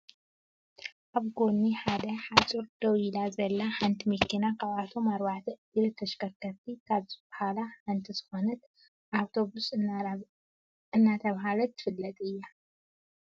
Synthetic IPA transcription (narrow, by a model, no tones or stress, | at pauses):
ʔaβɡo̞nːiħad̪ɐħat͡sʼuɾd̪̥ɐwilazɐlːaħant̪ʰimɨkʰːinakʰaβat̪ʰomaɾwaʕt̪ʰɐɨd̪ɨlɨt̪ʰːɐʃkɐɾkɐɾt̪ʰikʰaβzɨbahalaħant̪ʰizɨ̥xonɐt̪ | ʔawt̪ʰo̞βus | ɨnːat̪ʰɐβɦalɐt̪ʰːɨ̥fɨlːɐt̪ʼɨjːa